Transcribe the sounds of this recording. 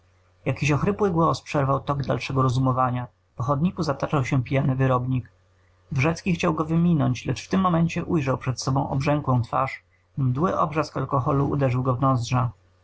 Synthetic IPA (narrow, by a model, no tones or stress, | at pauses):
jakʲiɕɔxɾɘpwɘɡwɔspʂɛɾvawt̪ɔɡd̪a̰lʂɛɡɔɾɔzumɔvaɲa | pɔxɔd̪ɲikuzat̪at͡ʂawɕɛpʲijanɘvɘɾɔbɲik | vʐɛt̪skʲixt͡ɕawɡɔvɘmʲinɔɲt͡ɕlɛt͡ʂft̪ɘmːɔmɛɲt͡ɕɛʔujʐawpʂɛt̪sɔbɔ̃w̃ʔɔ̰bʐɛŋkwɔ̃w̃t̪fa̰ʂ | md̪wɘʔɔ̰bʐaskalkɔxɔluṵd̪ɛʐɘwɡɔvnɔzdʐa